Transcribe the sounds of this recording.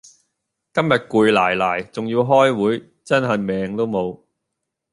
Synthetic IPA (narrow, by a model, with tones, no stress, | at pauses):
kɐ˥mjɐ˨t̚kuː˨˧jlaː˨˩jlaː˨˩jt͡sʊ˨ŋjiː˧wɦɔː˥jwuː˨˥j | t͡sɐ˥nɦɐ˨jmɛː˨ŋt̪o˥wmo˨˧w